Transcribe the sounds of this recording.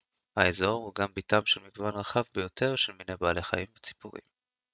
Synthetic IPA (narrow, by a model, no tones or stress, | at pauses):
haezo̞ʁhuɡambitamʃelmiɡvanʁaχavbejotʰe̞ʁʃelminejbaːle̞χa̰imvet͡si̥puʁḭm